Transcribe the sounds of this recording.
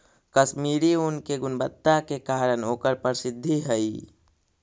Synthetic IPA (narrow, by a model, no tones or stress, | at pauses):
kəsmiːɾiʊnkeɡʊnbət̪ːakekaːɾənoːkəɾpəɾsɪd̪ʱːiɦɛiː